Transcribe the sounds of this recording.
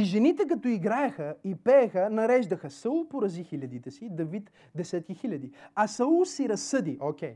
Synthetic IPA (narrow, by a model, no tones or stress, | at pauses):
iʒɛnit̪ɛk̬ɐt̪oiɡɾaɛxəipɛːxənɐɾɛʒd̪ɐxəsəulˠpoɾɐzixilʲɐd̪it̪ɛsid̪ɐvit̪ | d̪ɛsɛt̪̚kʲixilʲɐd̪iɐsɐulˠsiɾɐsːɤd̪iʔokʲɛj